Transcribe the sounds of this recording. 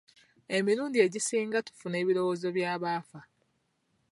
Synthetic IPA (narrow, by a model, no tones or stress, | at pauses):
e̞miɾuːndie̞ɟisiːŋɡatu̥fune̞ːβiɾo̞woːzo̞βjaːβaːfa